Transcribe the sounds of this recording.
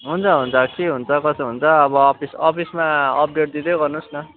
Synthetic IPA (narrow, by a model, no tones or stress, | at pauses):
ɦunt͡sʰʌɦunt͡sʰʌkeɦunt͡sʰʌkʌsʌɦunt͡sʰʌːbʌpʰisʌpʰismaʌp̚ɖeʈ̚d̪id̪ʌjɡʌrnusnʌ